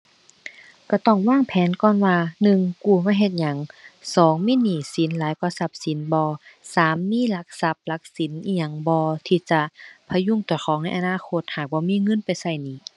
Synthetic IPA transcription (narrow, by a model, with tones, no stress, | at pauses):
ka˧˩t̪ɔ˧˩ŋwaː˧˥˨ŋpʰɛː˨˦nkɔː˧˥˨nwaː˧nɯ˧˨ŋkuː˧˩maː˧˥˩ɦe˧˩t̪̚ɲa˨˦ŋsɔː˨˦ŋmiː˧˥˨niː˧˩si˨˦nlaː˨˦jkʰu˧˨sa˧˩p̚si˨˦nbɔː˧˦saː˨˦mːiː˧˥˨la˧˥k̚sa˧˦p̚la˧k̚si˨˦nʔiː˧˩ɲa˧˩ŋbɔː˧t̪ʰiː˧˩t͡ɕa˧˩pʰa˧ju˧˥˨ŋt̪uː˨˩˦xʰɔː˨˦ŋna˧˥˩jʔa˧naː˧˥˨kʰo˧˥t̪̚haː˨˩k̚bɔː˧˦miː˧˥˨ŋɤ˧˥˨npa˨jsa˧˩jniː˧˩˨